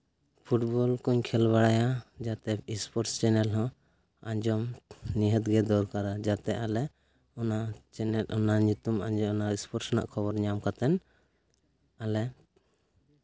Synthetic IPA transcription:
pʰuʈbɔlkuɲkʰɛlbaɽajad͡ʒat̪ɛispɔɾst͡ʃɛnɛlɦɔ̃ | aɲd͡ʒɔmniɦət̪ɡɛd̪ɔɾkaɾad͡ʒat̪ɛʔalɛ | ɔnat͡ʃɛnɛlʔɔnaɲut̪umaɲd͡ʒɔɔnaispɔɾsɔna̰ʔkʰɔbɔɾɲamkat̪ɛn | alɛ

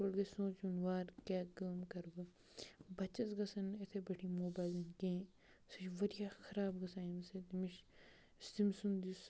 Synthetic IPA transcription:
oɽɡesõːt͡ʃunʋaːɾkʲaːkɐːmkɐɾɡɐ | bɐt͡ʃɐsɡɐsɐnet̪ʰebɐʈʰimoːbaːjlɐnkẽː | sɐt͡ʃʋɐd̪ijaxɐɾaːbɡɐsaːmsed̪imiʃ | st̪imsund̪is

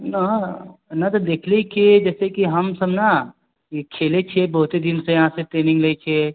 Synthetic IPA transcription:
nɐ | nɐt̪od̪eːkʰleikʰid͡ʒɛːsekiɦɐmsɐbna | kʰeːlet͡ʃʰiebɐɦʊt̪ed̪ɪnsejɐɦãseʈɾeːnɪ̃ŋɡlet͡ʃʰie

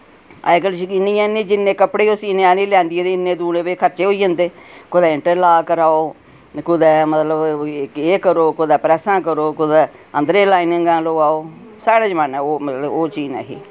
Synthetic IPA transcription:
a̰ːɪkəlʃɪnĩːãːnẽːd͡ʒɪnːẽːkəpɽeːʊsiːnẽaːnĩːlɛ̃ːnd̪ɪẽd̪eɪnːẽːd̪uːneːbeːkʰəɾt͡ʃeːɦoiːə̃nd̪eːkʊd̪ɛːɪɳʈəɾlaːkəɾaːoː | kʊd̪ɛːmət̪ləbɪkeːkəɾoːkʊd̪ɛːpɾɛːsãːkəɾoːkʊd̪ɛːənd̪ɾẽːlaːinɪŋɡãːloːaːoː | saːɽeːd͡ʒmanɛ̃ːoːmət̪ləboːt͡ʃiːnɛ̰ːɦḭː

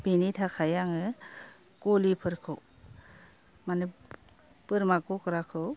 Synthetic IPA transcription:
binitʰakʰajaŋɯ | kolipʰɯɾkʰɯw | mane | pɯɾmakɔkɯɾakʰɯw

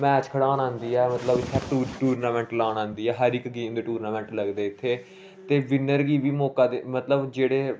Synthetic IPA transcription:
mɛːt͡ʃkʰəɽaːnãːnd̪iːɛːmət̪ləbt͡ʃʰaʈuːɾʈuːɾnaːmɛ̃ːɳʈlaːnãːnd̪iːɛːɦəɾɪkɡiːmd̪eːʈuːɾnaːmɛ̃ːɳʈləɡd̪eːɪt̪ʰːeː | t̪eːʋɪnəɾɡiːʋiːmɔːkaːd̪emət̪ləbd͡ʒeːɽeː

